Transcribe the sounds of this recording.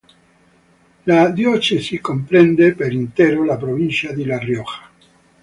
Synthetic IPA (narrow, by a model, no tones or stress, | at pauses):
lad̪jot͡ʃesikompɾend̪epeɾint̪eɾolapɾoβinsjad̪elarjoxḁ